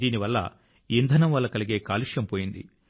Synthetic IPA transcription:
iːniʋɐlːɐ̰ | ind̪ʱɐnɐmʋɐlːɐkɐliɡe̞ːkaːliʂjɐmpoːjind̪ḭ

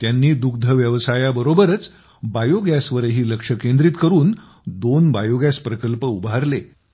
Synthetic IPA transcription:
t̪janːiːd̪uk̚d̪ʱəʋjəʋsajabəɾobəɾət͡s | bajoɡjasʋəɾɦiːləkʂəkend̪ɾiːt̪kəɾuːn | d̪onbajoɡjaspɾəkəlpəubaɾle

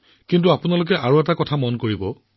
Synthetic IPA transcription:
kintuapunalʊk̬ɛʔaɹuɛtakɔtʰamɔnkoɹibɔ

